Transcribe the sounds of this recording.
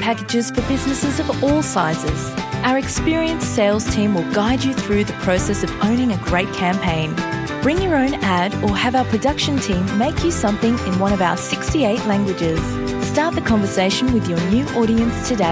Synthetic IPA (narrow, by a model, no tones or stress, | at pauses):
pʰækɨd͡ʒɪz̥fə˞bɪznɨsɨzʌvɔlˠsaɪzɪz̥ʔaʊə˞ɨkspɪɹiɨ̃nseɪlˠz̥tʰĩmwɨlˠɡaɪd͡ʒɨθɹʉðɨpʰɹ̥oʊsɛsʌvõʊ̃ñɪ̃ŋɨɡɹeɪt̚kʰæ̃mpʰẽɪ̃n | b̥ɹɪ̃ŋjə˞õʊ̃næɾə˞ɨvaʊə˞pʰɹ̥ɨdʌkʃɨ̃ntʰĩmːeɪkʰjɨsʌ̃mθɪ̃ŋɪ̃nwʌ̃ɾ̃ʌvaʊə˞sɪkstieɪʔˡlæ̃ŋɡwɨd͡ʒɪz̥ | stɑɹt̪̚ðɨkʰɑ̃ɱvə˞seɪʃɨ̃n̩wɨðjə˞njʉʔɔɾiɨ̃nstʰɨdeɪ